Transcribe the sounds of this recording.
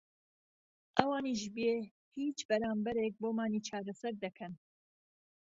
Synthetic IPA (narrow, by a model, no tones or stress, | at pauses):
ʔɐwaːniːʃbeː | hiːt͡ʃbɐɾaːmbɐɾek̚boːmaːniːt͡ʃʰaːɾɐsɐɾd̪ɐkʰɐn